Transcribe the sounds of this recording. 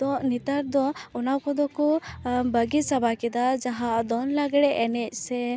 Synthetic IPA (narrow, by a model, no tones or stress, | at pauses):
d̪̥ɔ̃nit̪aɾd̪ɔɔnawkɔd̪ɔkɔbəɡisabʱakɛd̪ad͡ʒaɦad̪ɔnlaɡɽɛʔɛnɛc̚ˀsɛ